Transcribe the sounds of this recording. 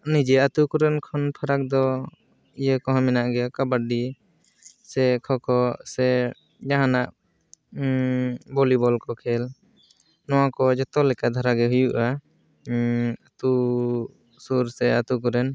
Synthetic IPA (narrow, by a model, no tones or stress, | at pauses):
nid͡ʒɛat̪ukuɾɛnkʰɔnpʰaɾak̚d̪ɔ | ijəkɔɦãmɛnaʔɡɛkabaɖi | sɛkʰɔkɔsɛ | d͡ʒaɦanaʔ | bɔlibɔlkɔkʰɛl | nɔwakɔd͡ʒɔt̪ɔlɛkad̪ʱaɾaɡɛɦujuʔa | at̪u | suɾsɛat̪uk̬ɔɾɛn